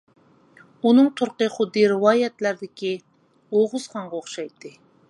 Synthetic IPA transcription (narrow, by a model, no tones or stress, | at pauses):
unɨŋt̪ʰʊɾqəχʊd̪ːiɾɨwɑːjɛt̪læɾd̪ɪkʲi | oʁʊzχɑɴʁɑoχʃɑjt̪ʰːɨ